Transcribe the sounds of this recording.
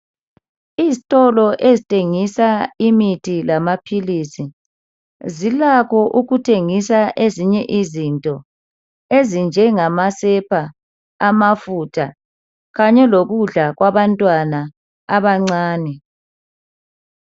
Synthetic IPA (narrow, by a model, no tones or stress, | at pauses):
izitʼɔlɔʔezitʰʼeŋisaimitʰilamapʰilisi | zilakʰɔʔuɣutʰeŋisaʔeziɲɛʔizintʼɔ | ezind͡ʒʱɛŋamasɛpʰaː | mafutʰa | ɣaɲɛloɣuɮaɣwaβantʼwana | aβaŋ͡ǀaːnɛ